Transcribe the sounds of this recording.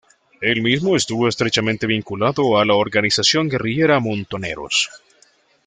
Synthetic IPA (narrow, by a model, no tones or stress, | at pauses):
e̞lmizmo̞est̪uβo̞est̪ɾe̞t͡ʃament̪e̞β̞iŋkulaðo̞alaoɾɡanisasjo̞ŋɡe̞rije̞ɾamont̪o̞ne̞̰ɾo̞̰s